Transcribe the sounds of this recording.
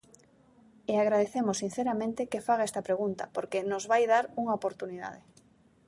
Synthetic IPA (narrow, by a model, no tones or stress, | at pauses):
eaɣ̞ɾað̞eθemosːin̟θeɾamẽnt̪ekefaɣaɛst̪ɐpɾeɣ̞unt̪ɐpoɾkenozβajðaɾuŋaopoɾt̪uniða̰ð̞e